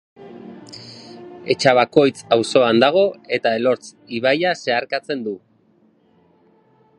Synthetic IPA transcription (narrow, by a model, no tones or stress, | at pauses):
e̞t͡ʃaβ̞ako̞jt͡sawso̞and̪aɣ̞o̞e̞t̪ae̞lo̞ɾt͡s | iβajase̞aɾkat͡se̞nd̪u